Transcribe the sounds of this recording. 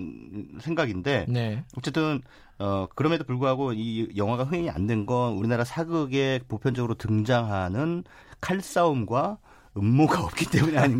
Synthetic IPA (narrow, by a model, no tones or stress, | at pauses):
sʰe̞ŋɡaɡinde̞neʌt͡ɕ͈e̞t͈ɯn | ʌkɯɾʌmedopuɭɡuɦaɡoijʌŋɦaɡaɸɯeɲia̰ndwe̞nɡʌnuɾinaɾasʰaɡɯɡe̞popʰjʌnd͡ʑʌɡɯɾotɯŋd͡ʑaŋɦanɯn | kʰaɭs͈aumɡwa | ɯmːoɡaʌp̚k͈it͈e̞muɲiaɲi